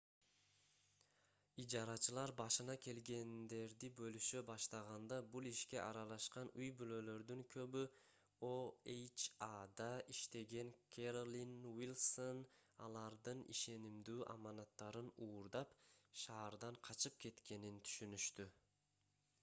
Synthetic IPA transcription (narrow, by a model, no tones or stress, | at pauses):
id͡ʒɑɾɑt͡ʃɯlˠɑɾbɑʃɯnɑkʲʰe̞lɡe̞nd̪e̞ɾd̪ibø̞lyʃøbɑʃt̪ɑʁɑnd̪ɑbulˠiʃke̞ʔɑɾɑlˠɑʃqɑnujbylø̞lø̞ɾd̪yŋkʰø̞βy | oejt͡ʃad̪ɑiʃt̪e̞ɡe̞ŋkʲʰeɾolʲinwilʲˠso̞nɑ̰lˠɑɾd̪ɯnḭʃe̞nimd̪yːʔɑ̰mɑnɑt̪ːɑɾɯnuːɾd̪ɑpʃɑːɾd̪ɑɴqʰɑt͡ʃɯp̚ke̞t̪ke̞nint̪ʰy̥ʃynyʃt̪y